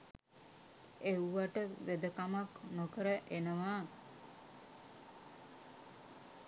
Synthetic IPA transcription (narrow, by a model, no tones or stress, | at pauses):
euʋaʈəʋed̪əkamaknokəɾəʔenəʋaː